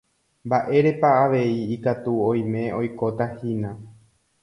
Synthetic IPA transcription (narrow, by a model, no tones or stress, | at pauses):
mbaʔe̞ɾe̞paːʋe̞iːkat̪uõj̃mẽ̞o̞jko̞t̪ahinã